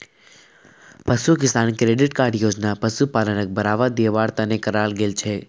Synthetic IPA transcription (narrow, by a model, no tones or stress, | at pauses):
pəsukɪst̪ankɾeɖɪʈkaɾɖjod͡ʒnapəsupalənək̚bʱəɾaʋad̪eʋaɽt̪anekəɾalɡelt͡ʃʰe